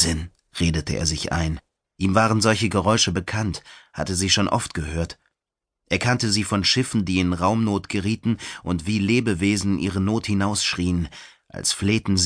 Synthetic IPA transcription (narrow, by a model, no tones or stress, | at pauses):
zɪn | ʁeːdətəʔḛːɐzɪçʔa̰ɪn | ʔiːmvaːʁ̞ənzɔlçəɡəʁɔʏʃəbəkʰantha̰təziːʃoːnʔɔ̰ftɡ̥əhøːɐt | ʔeːɐkʰantəziːfɔnʃɪfn̩diːɪnʁaʊmnoːtɡ̥əʁiːtn̩ʔʊntv̥iːleːbəveːzn̩ʔḭːʁənoːthɪnaʊsʃʁ̥iːən | ʔa̰lsfleːtn̩z